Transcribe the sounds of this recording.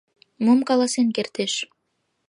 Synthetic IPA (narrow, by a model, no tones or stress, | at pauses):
momkɑlɑsenkert̪eʃ